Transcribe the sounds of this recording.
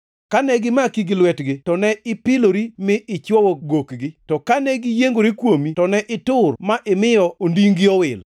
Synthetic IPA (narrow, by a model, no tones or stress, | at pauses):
kanɛɡɪmakiɡɪlwɛtɡɪtɔnɛɪpɪloɾimɪʔɪt͡ʃwɔwoɡokɡɪtɔkanɛɡɪjeŋɡoɾikwomitɔnɛʔɪtʊrmaʔɪmɪjɔondiŋɡiowɪl